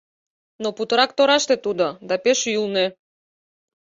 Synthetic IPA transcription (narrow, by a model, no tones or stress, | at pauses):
nɔput̪ɾakt̪ɔɾaʃt̪ɛt̪ud̪ad̪apɛʃujulˠnɛ